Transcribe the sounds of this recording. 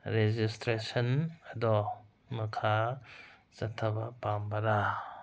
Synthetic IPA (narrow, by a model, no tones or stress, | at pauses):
ɾed͡ʒistɾesɐnɐdɔ | mɐkʰa | t͡ʃɐtʰːɐbɐpambɐɾa